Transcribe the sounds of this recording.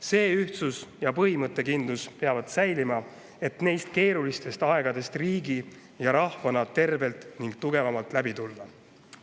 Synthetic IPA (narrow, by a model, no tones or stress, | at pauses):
se̞ːyht̪susjɑpɤɦimɤt̪ːˑe̞kind̪luspe̞ɑvɑd̪̥sæjlimɑ | e̞t̪ne̞jst̪ke̞ːɾulist̪e̞st̪ɑe̞ɡ̥ɑd̪e̞st̪riːɡi | jɑɾɑhvɑnɑt̪e̞rve̞lt̪niŋɡ̥t̪uɡ̥e̞vɑmɑlt̪ˑlæbit̪ulːɑ